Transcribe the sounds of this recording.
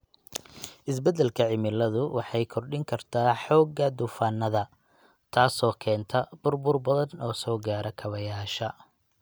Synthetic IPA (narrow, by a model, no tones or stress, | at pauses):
ʔɪs̬bɛd̪ɛlkʰɐʕɪmɪlɐðʊwɑħɑjkʰɔrɗɪŋkʰɐrt̪ʰaːħɔːɡːɐd̪ʊfaːnːɐðɐ | t̪ʰaːsɔːkʰɛːnt̪ʰɐb̥ʊrbʊrbɐðɐnɔːsɔːɡaːɾɐkʰɐβɐjaːʃɐ